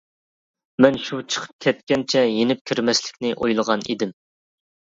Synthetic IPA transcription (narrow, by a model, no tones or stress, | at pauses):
mɛnʃut͡ʃʰə̥qʰə̥p̚kʲʰɛt̪̚kʲɛnt͡ʃʰɛjenɪp̚kʲʰyɾmɛslɪ̥kʲnɪʔojlˠəʁɑnḭd̪ɪm